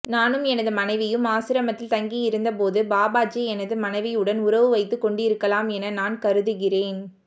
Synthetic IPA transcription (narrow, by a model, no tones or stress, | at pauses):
naːnɯmɛnɐðɯmɐnɐɪʋɪjɯmaːsɪɾɐmɐt̪ːɪlt̪ɐŋɡijɪɾɯnd̪ɐpoːðɯbaːbaːd͡ʒiɛnɐðɯmɐnɐɪʋɪjɯɽɐnʊɾɐʋɯʋɐɪt̪ːɯkɔɳɖɪɾɯkːɐlaːmɛnɐnaːnkɐɾɯðɯɣɪreːn